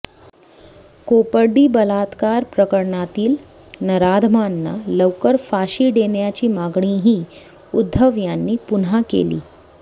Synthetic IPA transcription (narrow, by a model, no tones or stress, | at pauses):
kopəɾɖiːbəlat̪kaɾpɾəkəɾɳat̪iːl | nəɾad̪ʱmanːa̰ləwkəɾfaɕiːɖeɳjat͡ɕiːmaɡɳ̃ĩɦiː | ud̪ʱːəʋjanːiːpunakḛlḭː